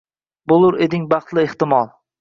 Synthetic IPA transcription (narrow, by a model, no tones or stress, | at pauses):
bolˠʊɾed̪ɪŋbɑχt̪lˠɪeht̪ɪmɒlˠ